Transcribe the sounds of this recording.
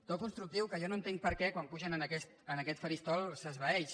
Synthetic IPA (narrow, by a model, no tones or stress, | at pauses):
t̪ot̪̚kunst̪ɾuk̚t̪iwkəʒɔnoənt̪eŋ̚pəɾkɛkwampuʒənənəkɛst̪ənəkɛt̪fəɾist̪ɔlˠsəzβəɛʃ